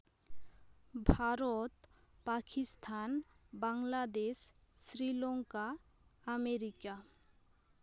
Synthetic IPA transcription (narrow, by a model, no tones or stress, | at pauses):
bʱaɾot̪pakʰist̪ʰanbaŋlad̪esːɾiloŋka | əmeɾika